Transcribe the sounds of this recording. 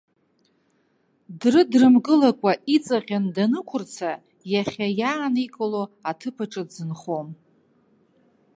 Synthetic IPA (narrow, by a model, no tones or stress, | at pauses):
drɨdrɨmɡɨlakʷʼaʔit͡sʼaqʲandanɨkʷʰʊrt͡sʰa | jaχʲajaːnikʼaloatʰɨpʰaʈ͡ʂʼɨdzɨnχom